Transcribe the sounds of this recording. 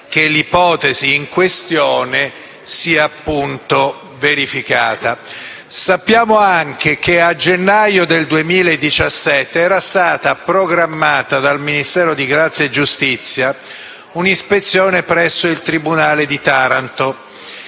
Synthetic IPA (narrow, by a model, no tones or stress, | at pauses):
kelipɔːt̪eziːŋkwest̪joːne | siːaːpːunt̪o | veɾifikaːt̪a | sapːjaːmoaŋk̟ekead͡ʒenːajod̪eld̪uemiːlaed̪ːit͡ʃasːɛt̪ːeɛːɾast̪aːt̪apɾoɡɾamːaːt̪ad̪alminist̪ɛːɾod̪iɡɾat̪sːjaed͡ʒust̪it̪sːja | unispet̪sːjoːnepɾɛsːoilt̪ɾibunaːled̪it̪aːɾant̪o